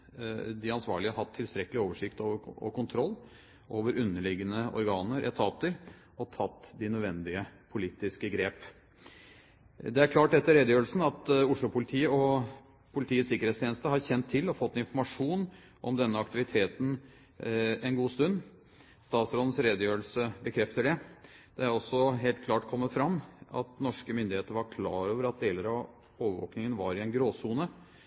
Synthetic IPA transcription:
d̪ɪɑnsʋɑ̰ːɭɪəɦɑt̪ʰːɪlst̪ɾɛkːəlɪoːʋəʂɪkt̪oːʋəɔ̰kʰʊnt̪ʰɾɔlː | ʔoːʋəɾʉnːəɭɪɡənəʔɔ̰ɾɡɑːnəɾʔɛ̰t̪ʰɑːt̪əɾ | ɔt̪ʰɑt̪ːd̪ɪnœd̪ʋɛnd̪ɪəpʰʊlit̪ɪskəɡɾeːp | d̪ɛæɾkʰlɑːʈɛt̪ːəɾeːd̪əjøːɾəlsn̩ɑt̪ʊʂɭʊpʰʊlɪt̪ʰiːəɔ | pʰʊlɪt̪ʰiːəsɪkːəɾeːt̪st̪jeːnəst̪əɦɑɾçɛnt̪ʰːɪlːɔfɔt̪ːɪnfɔɾmɑʂuːn | ʔɔmd̪ɛnːəɑkt̪ɪʋɪt̪ʰeːt̪n̩ | ɛnɡuːst̪ʉnː | st̪ɑːt̪sɾoːd̪ən̩sɾeːd̪əjøːɾlsəbəkʰɾɛft̪əɖɛ | d̪̥ɛæɾɔsːɔɦeːlt̪kʰlɑːʈkʰɔmːət̪fɾɑmːɑ̰t̪nɔʂkəmʏnd̪ɪheːt̪əɾəʋɑɾkʰlɑ̰ːɾoːʋəɾɑt̪̚d̪eːləɾɑ | oːʋəʋo̰ːknɪŋənʋɑɾɪɛnɡɾoːsuːnə

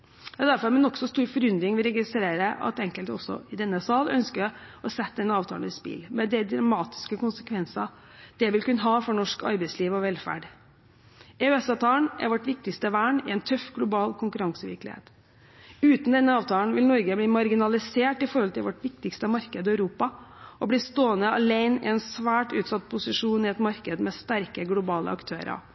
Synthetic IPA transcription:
jɑd̪æɾfɔɾmɛnɔksɔst̪uːɾfɔɾʏnd̪ɾɪŋʋɪlɾɛɡɪst̪ɾeːɾəʔɑ̰t̪ɛŋkəlt̪ɔsːɔ̰ɪd̪ɛnːəsɑːlœ̰nskəɔsɛt̪ːd̪ɛnːəɑːʋt̪ʰɑːlnɪspɪ̰lmɛd̪ɛd̪ɾɑmɑːt̪ɪ̥skəkʊnsəkʰʋɛnsɑ | d̪̥ɛʋɪlkʉnːəɦɑːfɔɳɔʂkɑ̰ɾbæɪsliːʋɔʋɛlfæ̰ːɖ | ɛøɛsɑːʋt̪ʰɑːləɳʔæ̰ɾʋɔʈːʋɪk̚t̪ɪkst̪əʋæːɳɪ̰ɛnt̪ʰœfɡlʊbɑːlkʰʊŋkʉɾɑŋsəʋɪ̰ɾklɪ̰hḛːt̪ | ʉːt̪n̩d̪ɛnːəɑːʋt̪ʰɑːln̩ʋɪlnɔɾɡəbliːmɑɾɡɪnɑlɪseːʈɪfɔɾhɔlt̪ʰɪlʋɔʈʋɪk̚t̪ɪkst̪əmɑɾkəd̪ɪœʉɾuːpɑʔɔbliːst̪oːənəɑleɪnɪ̰ɛnsʋæːʈʉːt̪sɑt̪̚ːpʰʊsɪʂuːnɪɛt̪mɑɾkəd̪mɛst̪æɾkəɡlʊbɑːlə̰ɑkt̪ʰøːɾɑ̰

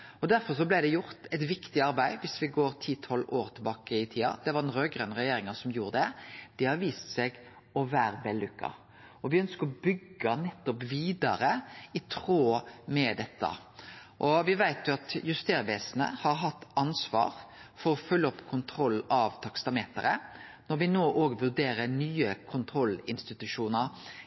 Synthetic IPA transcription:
ɔd̪æɾfɔɾsɔblæɪd̪ɛjʊɾt̪ɛɪt̪ʋɪkt̪ɪɑɾbæɪʋɪsʋɪɡoːɾt̪ʰiːt̪ʰɔloːɾt̪ʰɪbɑːkəɪt̪ʰiːɑ̰d̪̥ɛʋɑɾɛnɾøːɡɾœnɾɛjeːɾɪŋɑsɔmjuːɾəd̪ɛd̪̥ɪhɑɾʋiːst̪sɛɡ | ɔʋæːɾbɛlːʉkːɑ̰ | ɔʋɪœnskəɾɔbʏɡːɑnɛt̪ːɔpʋiːd̪ɑɾəɪt̪ʰɾoːmɛd̪ɛt̪ːə̰ | ʔɔʋɪʋæɪt̪jʊɑt̪jʉst̪eːɾʋeːsənə̰hɑɾɦɑt̪ːɑnsʋɑ̰ːɾfɔɾɔfœlːəɔpːkʰʊnt̪ʰɾɔlːɑʋt̪ʰɑkst̪ɑmeːt̪ə̰ɾə̰nɔɾʋɪnoːʔoːɡʋʉɾd̪eːɾəɾnyːəkʰʊnt̪ʰɾɔlːɪnst̪ɪt̪ʉʂuːnəɾ

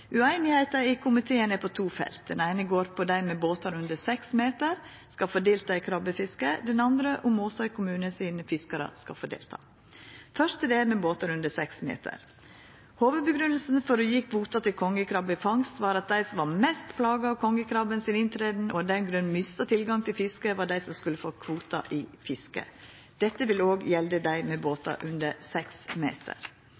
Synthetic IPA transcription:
ʉæɪnɪhæɪt̪ɑɪkʰʊmɪt̪ʰeːənɛpʰɔt̪ʰuːfɛ̰lt̪̚d̪ɛnæɪnəɡoːɾpʰɔd̪æɪmɛboːt̪ɑɾʉnd̪əsɛksmeːt̪əɾ | skɑfɔɖeːlt̪ɑːɪkʰɾɑbəfɪskəd̪ɛnɑnd̪ɾəʔʊmɔsɔɪkʰʊmʉːnəsiːnəfɪskɑɾə̰skɑ̰foːɖḛːlt̪ʰɑ̰ː | fœʂt̪əd̪ɛmɛboːt̪ɑɾʉnd̪əsɛksmḛːt̪ʰə̰ɾ | hoːʋəd̪̚bəɡɾʉnl̩sn̩fɔɾʉjɪkʰʋuːt̪ɑt̪ʰɪlkʰɔŋːəkʰɾɑbɪfɑŋst̪ʋɑːɾɑt̪̚d̪æɪsɔmʋɑɾmɛst̪pʰlɑːɡɑɔkʰɔŋːəkʰɾɑbənsɪnɪnt̪ʰɾeːd̪n̩ɔd̪ɛnɡɾʉnːmɪst̪ɑt̪ʰɪlɡɑŋt̪ʰɪlfɪskəʋɑɖæɪsɔmskʉlːəfoːkʰʋuːt̪ɑ̰ʔɪfɪskə̰ | d̪̥ɛt̪ːəʋɪloːɡjɛld̪əd̪æɪmɛboːt̪ɑ̰ʔʉnd̪əɾsɛksmḛːt̪ʰə̰ɾ

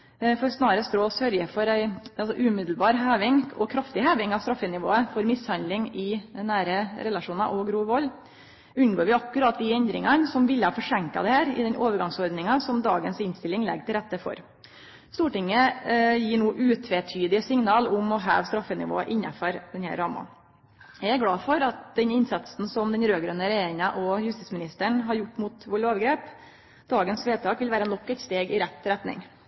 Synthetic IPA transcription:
fɔɾsnɑːɾəst̪ɾoːsœɾjəfɔɾæɪɑlsɔʔʉːmɪd̪l̩bɑːɾɦæːʋɪŋɔkʰɾɑft̪ɪhæːʋɪŋɑʋst̪ɾɑfːənɪʋo̰ːəfɔɾmɪshɑnd̪lɪŋɪɛnːæːɾəɾɛlɑʂuːnɑʔɔɡɾuːʋɔlː | ʉnɡoːɾʋɪɑkːʉɾɑːt̪̚d̪ɪɛnd̪ɾɪ̰ŋɑnsɔmʋɪlːəhɑːfɔʂɛŋkɑ̰d̪ɛhæːɾɪ̰d̪ɛnʔoːʋəɾɡɑŋsɔɾd̪nɪŋɑsɔmd̪ɑːɡənsɪnst̪ɪlːɪŋlɛ̰ɡt̪ɪlɾɛt̪ːəfɔ̰ɾ | st̪uːʈɪŋːəjiːɳuːʔʉːt̪ʰʋet̪ʰyːd̪ɪsɪŋnɑːlʊmɔɦɑ̰ːʋst̪ɾɑfːənɪ̰ʋo̰ːɑʔɪnːɑfɔɾd̪ɛnhæ̰ɾːɑːmɑ̰ | jææɾɡlɑːfɔɾɑt̪̚d̪ɛnɪnsɑt̪sn̩sɔmd̪ɛnɾøːɡɾøːnəɾɛeŋɑʔɔhʉst̪iːsmɪnɪst̪əɳɦɑɾjʊʈːmʊt̪ʋɔɭloːʋɡɾeːp | d̪̥ɑːɡənsʋeːt̪ʰɑːkʋɪlʋæːɾənɔkːɛt̪st̪eːɡɪɾɛt̪ʰːɪɾɛt̪nɪ̰ŋ

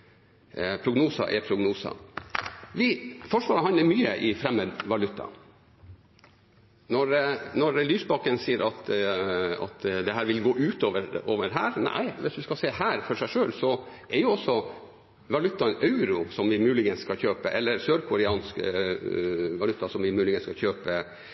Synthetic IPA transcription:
pʰɾʊɡnuːsɑ̰ʔɛpʰɾʊɡnuːsɑ̰ | ʋɪfɔʂʋɑːɾəhɑnləɾmyːəʔɪfɾɛmːəʋɑlʉt̪ːɑ̰ | nɔɾnɔɾlyːsbɑkːənsiːəɾʔɑt̪ | ɑ̰t̪d̪ɛɦæːɾʋɪlɡoːʔʉːt̪oːʋəɾoːʋəɾɦæːɾnæ̰ɪʋɪsʋ̪ʉskɑseːhæːɾfɔɾʂæɪʂøːlsɔʔɛɾjʊɔsːɔ | ʋɑlʉt̪ːɑʔɑʉɾʊsɔmʋɪmʉːlɪɡənsskɑçøːpəʔɛlːəɾsøːɾkʰʊɾɪɑːnsk | ʋɑlʉt̪ːɑsɔmʋɪmʉːlɪɡənskɑçøːpə

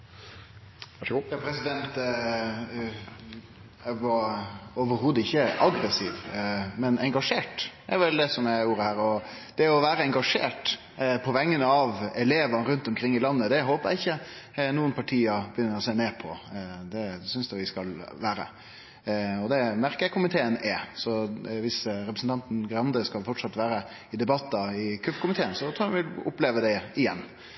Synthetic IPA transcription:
jɑːpʰɾɛsɪd̪ɛnt̪ | ʋɑɾoʋəɾɦuːd̪əɪçːəʔɑɡɾɛsiːʋmɛnɛŋɡɑʂeːʈɛ̰ɾʋɛld̪ɛsɔmɛuːɾəhæːɾɔd̪̥ɛɔʋæːɾəɛŋɡɑʂḛːʈ | pʰɔʋɛŋːənəɑʋɛleːʋənəɾʉnt̪ɔmkʰɾɪŋːɪlɑnːəd̪ɛɦoːpəjæ̰ɪɪçːənuːənpʰɑʈʰiːɑbəjʏnːəɾɔseːneːpʰɔd̪ɛsʏnsd̪ʉʋɪskɑlʋæːɾə̰ | ɔd̪ɛmæɾkəkʰʊmɪt̪ʰeːənɛsɔʋɪsɾɛpɾəsn̩t̪ʰɑnt̪n̩ɡɾɑnd̪əskɑlfɔʈʂɑt̪ːʋæːɾə | ɪd̪ɛbɑt̪ːɑɪkʰʉfkʊmɪt̪ʰeːənsɔt̪ʰʊʋɪlʊ̰pleːʋəd̪ɛɪjɛnː

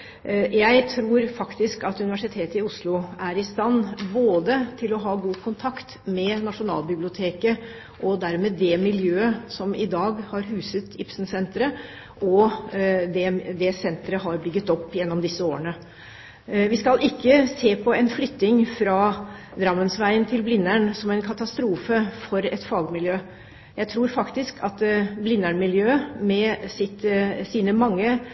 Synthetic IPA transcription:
jæɪt̪ʰɾuːɾfɑkt̪ɪskɑt̪ʉnɪʋæʂɪt̪ʰeːt̪əɪʊslʊʔæɾɪst̪ɑnːboːd̪ət̪ʰɪlɔɦɑːɡuːkʰʊnt̪ʰɑkt̪mɛnɑʂʊnɑ̰ːlbɪblɪʊt̪ʰeːkə | ʔɔd̪æɾmeːd̪ɛmɪljøːəsɔmɪd̪ɑːɡhɑɾɦʉːsət̪ɪpsn̩sɛnt̪ɾə | ʔɔ | d̪ɛd̪ɛsɛnt̪ɾəɦɑɾbʏɡːət̪ɔpːjɛnːɔmd̪ɪsːəoːəɳə | ʋɪskɑlʔɪkːəseːpʰɔɛnflʏt̪ːɪŋfɾɑːd̪ɾɑmːənsʋæɪənt̪ʰɪlblɪnːæɳsɔmɛɪnkʰɑt̪ɑst̪ɾuːfəfɔɾɛt̪fɑːɡmɪljøː | jæɪt̪ʰɾuːɾfɑkt̪ɪskʰɑt̪blɪnːæɳmɪljøːmɛsɪt̪siːnəmɑŋːə

